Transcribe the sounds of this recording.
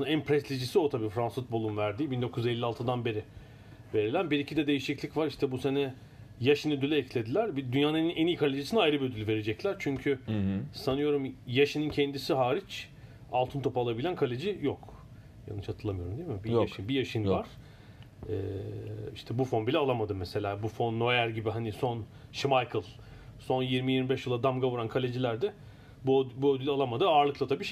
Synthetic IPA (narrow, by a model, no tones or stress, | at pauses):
ænpʰɾɛslid͡ʒisio̞t̪ʰabiːfɾansfut̪̚bo̞lˠunvæɾd̪iːbind̪o̞kʰuj̪ze̞lʲːialˠt̪ʰɯd̪anbe̞ɾɪ | ve̞ɾilʲænbiɾicʰid̪ɛd̪e̞jiʃiclʲicvaɾiʃt̪ʰɛbuse̞nɛ | jaʃɯnød̪ylʲɛɛclʲe̞d̪ilʲæɾbid̪ynjaːnninenijkʰalʲed͡ʒisinajɾɯbiød̪ylʲyve̞ɾed͡ʒɛclʲæɾt͡ʃʰyɲcʰysanɯjo̞ɾumjaʃɯnɯncʰɛnd̪isiɦaːɾit͡ʃ | alˠt̪ʰɯnt̪ʰo̞palˠabilʲænkʰalʲed͡ʒijok | ja̰nːɯt͡ʃhat̪ɯlˠamɯjo̞ɾumd̪ijemibiaʃɯbijaʃɯnvaɾ̥ | ɛːiʃt̪ʰɛbufo̞nbilʲɛalˠamad̪ɯmɛse̞lʲaːbufo̞nːo̞jæɾɟibiɦaniso̞n | ʃimajkʰɯlˠ | so̞njiɾmijiɾmibɛʃjɯlˠad̪amɡavuɾankʰalʲe̞d͡ʒilʲæɾd̪ɛ | bbuød̪ylʲalˠamad̪ɯaːɾlˠɯklˠat̪ʰabiʃ